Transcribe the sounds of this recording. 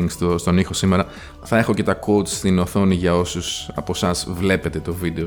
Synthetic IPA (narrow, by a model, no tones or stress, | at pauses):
ŋst̪ost̪o̞nixo̞sime̞ɾɐ | θɐe̞xo̞ce̞t̪ɐko̞ut̪st̪ino̞θo̞niʝɐo̞susɐ̰po̞sɐzvle̞pe̞t̪e̞t̪o̞vid̪eo